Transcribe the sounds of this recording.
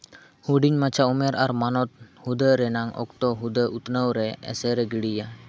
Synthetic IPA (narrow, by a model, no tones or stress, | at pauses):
huɖiɲmat͡ʃʰaumɛɾaɾmanɔt̪̚hud̪əɾɛnaŋɔ̰kt̪ɔɦud̪əʔut̪nəwɾɛɛ̰sɛɾɛɡiɽija